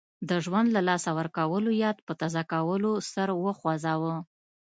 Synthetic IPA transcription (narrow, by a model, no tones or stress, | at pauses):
d̪əʒwand̪lalɑsawəɾkawəlojɑd̪pət̪azɑkawəlosəɾwəxwazɑwə